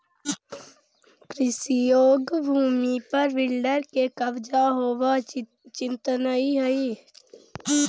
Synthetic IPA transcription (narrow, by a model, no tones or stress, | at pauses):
kɾɪsijoːɡbʱuːmipəɾʋɪlɖəɾkekəʋd͡ʒaɦoːwa | t͡ʃɪ̃nt̪ənəiɦəi